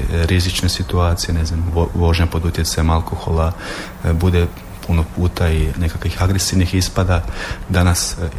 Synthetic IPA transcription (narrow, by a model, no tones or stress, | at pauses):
ɾizit͡ʃnesit̪uaːt̪sijene̞znamʋoʒɲapo̞d̪ut̪jet̪sajmalˠkoxo̞la | bud̪e̞ | punopuːt̪aine̞kakʋixaɡɾe̞siʋnixispad̪ad̪anas